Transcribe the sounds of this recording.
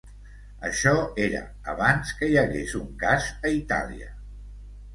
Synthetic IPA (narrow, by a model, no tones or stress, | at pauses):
əʃɔeɾə̰ | əβ̞anskəjəɣezuŋkazəit̪a̰liə